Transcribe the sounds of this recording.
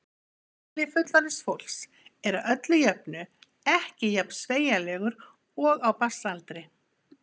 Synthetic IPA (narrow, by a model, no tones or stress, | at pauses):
lɪfʏt̪laɾɪsfowl̥s | ɛɾawœt̪lʏjœp̚nʏ | ɛhcɪjapnsveːjalɛːɣʏɾ | ɔɣawpasalt̪ɾɪ